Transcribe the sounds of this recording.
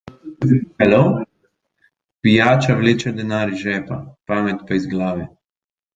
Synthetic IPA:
alo | pijaːt͡ʃaʋleːt͡ʃɛd̪ɛnaːɾʒɛːpapaːmɛt̪paizɡlaːʋɛ

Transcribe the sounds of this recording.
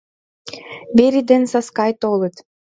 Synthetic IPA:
beɾid̪ensaskajt̪oːlˠɯt̪

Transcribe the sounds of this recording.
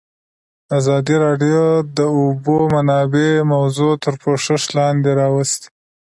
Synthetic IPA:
azɑd̪iɾɑɖijod̪əʊbomanɑbemawzot̪əɾpoʂɪʃlɑnd̪eɾɑwast̪

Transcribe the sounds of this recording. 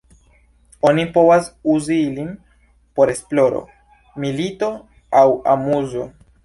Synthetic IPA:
o̞nipo̞vasuziilim | po̞ɾe̞splo̞ɾo̞̰ | milito̞ | awa̰muzo̞

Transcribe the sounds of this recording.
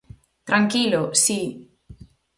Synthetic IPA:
t̪ɾaŋkilosi

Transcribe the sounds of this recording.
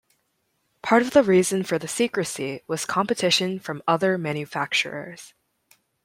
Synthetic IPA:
pʰɑɹɾʌvðəɹizɨ̃nfə˞ðɨsikɹɨsiwʌz̥kʰɑ̃mpɨtʰɪʃɨ̃nfɹʌ̃mʌðə˞mæ̃njɨfæk̚t͡ʃə̰˞ə̰˞z̥

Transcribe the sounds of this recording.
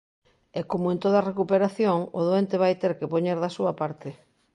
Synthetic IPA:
ɛkomoẽnt̪oðarekupeɾaθjoŋo̰ðoent̪eβ̞ajt̪eɾkepoɲeɾðɐsuɐpaɾt̪ɪ

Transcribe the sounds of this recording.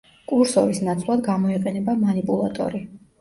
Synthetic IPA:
kʼuɾsɔɾisnat̪sʰlˠad̪ɡamɔiqʼɛnɛbamanipʼulˠa̰t̪ʼɔ̰ɾi

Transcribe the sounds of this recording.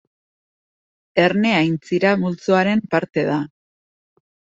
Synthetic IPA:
e̞ɾne̞ajnt͡siɾamult͡suaɾe̞mpaɾt̪e̞ða

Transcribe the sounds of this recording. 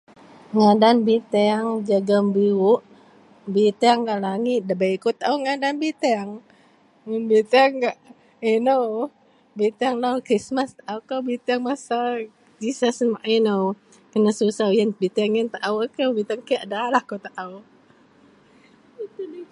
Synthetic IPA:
ŋadanbit̪ɛaŋd͡ʒaɡəmbiuʔ | bit̪ɛŋɡaʔlaŋit̪̚dəbajkot̪aʔawŋadanbit̪ɛŋ | ŋunbit̪ɛŋɡaʔ | inəw | bit̪ɛŋlawkɾismast̪aʔawkawbit̪ɛŋmasa | d͡ʒisasəmaʔinəw | kənasusajənbit̪ɛŋjənt̪aʔawəkəwbit̪aŋkəaʔdalahkot̪aʔaw

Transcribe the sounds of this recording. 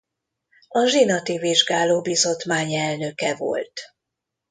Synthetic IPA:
ɒʒinɒt̪iviʒɡaːloːbizo̞t̪maːɲɛlnø̞kɛvo̞̰lt̪

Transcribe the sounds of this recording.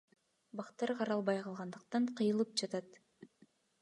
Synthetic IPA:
bɑqt̪ɑɾqʰɑɾɑlˠbɑjqʰɑlˠʁɑnd̪ɯq̚t̪ɑɴqʰɯjɯlˠɯp̚d͡ʒɑt̪ɑt̪

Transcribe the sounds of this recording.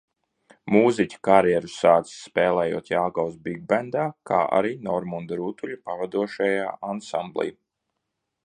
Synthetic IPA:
muːzicʲu̥kaɾjɛɾusaːt̪si̥sːpɛːlˠɛːjṵɔt̪jalɡawsbiɡ̚bɛnd̪aːka̰ːʔa̰ɾiːnɔɾmund̪ɾuːt̪uʎʲupavad̪uɔʃajaːʔansamblˠḭj

